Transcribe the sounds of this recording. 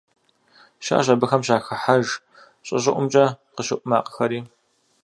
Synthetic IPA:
ʃa̰ːɕɐbɨxɐmɕaːxɐħaʒ | ɕʼɐ̰ʑɪʔʷʊmt͡ʃʼɐqəɕɪʔʷʼʊmaːqəxɐɾiː

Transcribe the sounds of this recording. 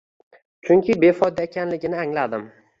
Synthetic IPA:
t͡ʃʰʊŋkʲʰɪbe̞fɒjd̪aekʲʰanlɪɡʲɪnɪaŋlad̪ɪm

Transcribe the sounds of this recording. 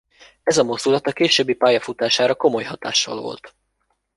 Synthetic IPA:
ɛzɒmo̞zd̪ulɒt̪ɒkeːʃøbːipaːjɒfut̪aːʃaːɾɒko̞mo̞jɦɒt̪a̰ːʃːɒ̰lvo̞̰lt̪

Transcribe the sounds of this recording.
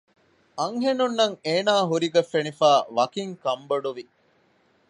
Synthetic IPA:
ɐŋɦenunːɐŋeːnaːɦuɾiɡɐfːenifaːʋɐkiŋkɐmbɐɖuʋi

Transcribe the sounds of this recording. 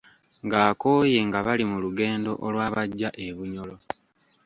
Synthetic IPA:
ŋɡaːko̞ːje̞ŋɡaβalimuluɡe̞ːndo̞̰ʔolwaːβaɟːaʔe̞βuɲo̞lo̞

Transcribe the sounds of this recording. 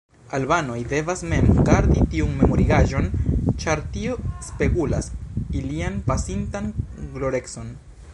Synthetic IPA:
albano̞jde̞vasme̞mɡaɾd̪itiunme̞mo̞ɾiɡaʒo̞nt͡ʃaɾtio̞spe̞kula̰silianpasintanɡlo̞ɾe̞kso̞n

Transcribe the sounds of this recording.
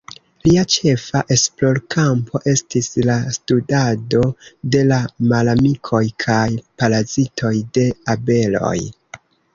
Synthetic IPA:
liat͡ʃe̞faʔe̞splo̞ɾkʰampʰo̞ʔe̞stislastudado̞de̞lamalamikʰo̞jkʰajpalazitʰo̞jde̞abe̞lo̞̰j

